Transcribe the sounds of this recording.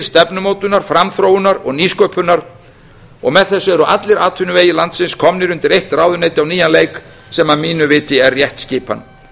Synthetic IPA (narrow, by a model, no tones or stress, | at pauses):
st̪ɛpnʏmoːwt̪ʏnaɾ̥fɾamθɾowʏnaɾɔɣniːskœːpʏnaɾ | ɔɣmɛðθɛsːʏɛɾʏʔa̰t̪lɪɾaːt̪ʰʏnʏveːjɪlant̪sɪnskʰɔmnɪɾʏnt̪ɪɾejht̪raːwðʏneːjt̪ɪawniːjanlejk | sɛmaðmiːnʏvɪːt̪ɪɛrːjɛht̪scɪːpa̰nː